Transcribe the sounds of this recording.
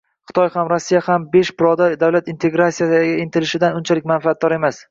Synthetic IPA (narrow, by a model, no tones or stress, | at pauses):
χɨ̥t̪ʰɒjhamɾasːijahambe̞ʃbɪɾɒd̪aɾd̪awlat̪ɪnt̪ʰe̞ɡɾasijaɡʲaɪnt̪ʰɪlɪʃɪd̪anʊnt͡ʃʰalɪkʲmanfaat̪̚d̪ɒɾe̞mas